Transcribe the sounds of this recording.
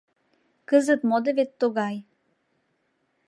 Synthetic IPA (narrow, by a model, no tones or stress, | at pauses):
kəzət̪mod̪eβet̪ːoɣɑj